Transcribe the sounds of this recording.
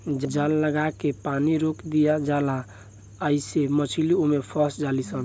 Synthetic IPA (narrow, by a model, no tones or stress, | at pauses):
d͡ʒəd͡ʒalːəɡakepaniɾokd̪ijad͡ʒala | əisemət͡ʃʰiliomepʰɔsd͡ʒalisən